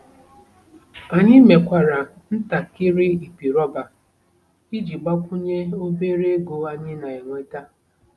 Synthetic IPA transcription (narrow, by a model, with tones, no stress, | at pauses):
a˨ɲɪ˦me˨kʷa˨ɾa˨ | n̩˦ta˨kɪ˦ɾɪ˦i˨pi˨ɾɔ˦ba˨ | i˦d͡ʒi˨ɡ͡ba˦kʷʊ˦ɲe˦o˦be˦ɾe˦ɡo˨a˦ɲɪ˦na˨e˨ŋʷe˦ta˦